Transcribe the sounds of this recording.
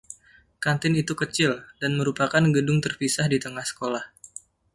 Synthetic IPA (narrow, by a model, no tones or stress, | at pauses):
kant̪ɪnit̪ukət͡ʃɪldanməɾupakanɡədʊŋt̪ərpisahdit̪əŋahsə̥kolah